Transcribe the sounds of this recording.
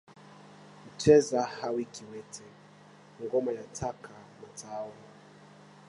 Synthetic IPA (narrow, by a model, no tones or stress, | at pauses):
m̩t͡ʃɛzahawikiwɛtʰɛ | ŋɡɔmajatʰakamatʰawɔ